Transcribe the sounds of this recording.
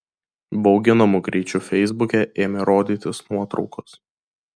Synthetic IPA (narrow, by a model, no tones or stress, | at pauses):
bɒʊɡʲɪnɐmʊɡɾʲiːt͡ʃʲufʲɛɪzbʊkʲɛʔeːmʲɛɾoːd̪ʲiːt̪ʲɪsnuɔt̪ɾɒ̰ʊkɔs